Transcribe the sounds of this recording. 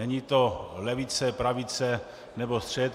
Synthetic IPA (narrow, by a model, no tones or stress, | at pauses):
ɛɲit̪olɛvɪt͡sɛpɾavɪt͡sɛ | nɛbost̪r̥ɛt̪